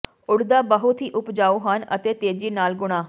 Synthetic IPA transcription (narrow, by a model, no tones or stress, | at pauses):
ʊɽd̪aːbəɦʊt̪ɦiːʔʊpd͡ʒaːoːɦənə̰t̪eːt̪eːd͡ʒiːnaːlɡʊɽ̃aː